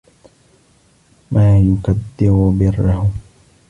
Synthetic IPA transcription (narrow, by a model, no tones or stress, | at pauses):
maːjʊkad̪ːɪɾʊbɪrːahʊ